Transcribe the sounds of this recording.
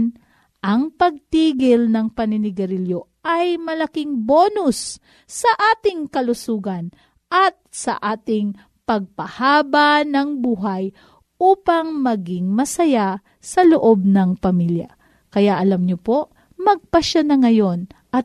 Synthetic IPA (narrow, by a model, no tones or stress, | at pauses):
n | ʔɐŋpɐɡ̚t̪iːɡɪlnɐŋpɐnɪnɪɡɐɾɪljoʔɐjmɐlɐkɪŋboːnʊsː | ɐʔaːt̪ɪŋkɐlʊsuːɡɐn | ʔɐt̪̚sɐ̰ʔaːt̪ɪŋ | pɐɡ̚pɐhaːbanɐŋbuːɦɐj | ʔuːpɐŋmɐɡɪŋmɐsɐja | sɐloʔob̚nɐŋpɐmilja̰ | kɐjaʔɐlamɲopo̞ʔ | mɐɡ̚pɐʃanɐŋɐjo̞nʔɐt̪̚